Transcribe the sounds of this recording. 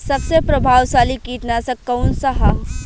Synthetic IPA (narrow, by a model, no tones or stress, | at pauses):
sɐbsepɾɐbʱaːwsaːlikiːʈ̪nasɐ̃kɐwnsɐɦa